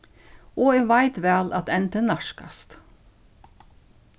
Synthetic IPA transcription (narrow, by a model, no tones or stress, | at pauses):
ɔɛvajt̪ʋɛːlat̪ɛnt̪ənaʂka̰st̪